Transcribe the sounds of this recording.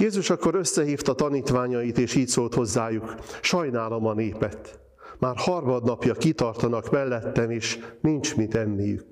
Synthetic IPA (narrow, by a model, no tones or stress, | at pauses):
jeːzuʃɒkːo̞ɾøsːɛɦiːft̪ɒt̪ɒniːt̪ʋaːɲɒjit̪eːʃiːcsoːlt̪ho̞zːaːjukʃɒjnaːlɒmɒneːpɛt̪ː | maːrhɒrmɒd̪nɒpjɒkit̪ɒrt̪ɒnɒkmɛlːɛt̪ːɛneːʃnint͡ʃmit̪ɛmːijy̰k